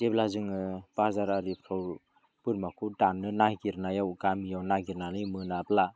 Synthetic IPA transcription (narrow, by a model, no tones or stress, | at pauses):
deblazɯŋɯb̥aɾzaɾaɾipʰɾaw | b̥ɯɾmakʰudanːɯnajɡiɾnajawɡamijawnaɡiɾnalɯjmɯnabla